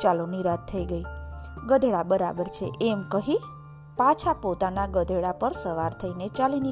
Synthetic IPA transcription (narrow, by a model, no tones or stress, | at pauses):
t͡ʃaluniɾat̪ʰːəiɡəiɡəd̪ʱɭabəɾa̰bəɾt͡ʃʰḛʔemkəɦi | pat͡ʃʰapot̪anaɡəd̪ʱəɭapəɾsəʋaɾt̪ʰəinet͡ʃalini